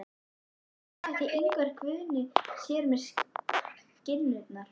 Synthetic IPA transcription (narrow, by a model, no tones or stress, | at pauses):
θɛht̪iʔejŋkvɛɾ̥kʰvʏðnɪsjɛːɾmɛ̥s | cɪlːɪt̪naɾ̥